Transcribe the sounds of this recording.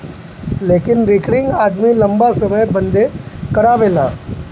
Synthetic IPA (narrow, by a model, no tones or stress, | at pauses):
leːkɪnɾɪkɾɪ̃ŋɡaːd̪milɐ̃mbasɐməjbɐ̃nd̪ekɐɾaːʋeːlaː